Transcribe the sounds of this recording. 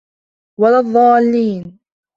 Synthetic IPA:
walɑðˤːɑːlːiːn

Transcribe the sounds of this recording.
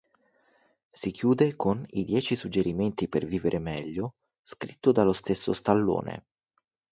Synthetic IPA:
sikjuːd̪ekonḭd̪jɛːt͡ʃisud͡ʒːeɾiment̪iperviːveɾʔemɛʎːo | skɾit̪ːod̪alost̪esːo̰st̪alːo̰ːnḛ

